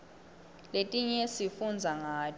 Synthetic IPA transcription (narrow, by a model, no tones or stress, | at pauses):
letʼiɲɛsifund͡zʱaŋaː